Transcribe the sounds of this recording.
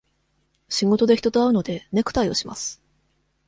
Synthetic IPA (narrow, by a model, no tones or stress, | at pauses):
ɕiŋɡo̞t̪o̞d̪e̞çi̥t̪o̞t̪oaɯ̟no̞d̪e̞ne̞kɯ̟̥t̪aio̞ɕima̰sɨ̥